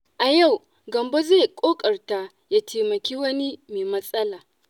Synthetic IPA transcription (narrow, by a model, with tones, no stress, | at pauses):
ʔa˨ja˦˨w | ɡɐ˨mbo˦ze˦˨kʷʼoː˦kʼɐ˨rta˦ | jaː˦tʰeː˨mɐ˨kʲiː˦wɐ˦ni˦meː˨mɐ˦sʼɐ˦laː˨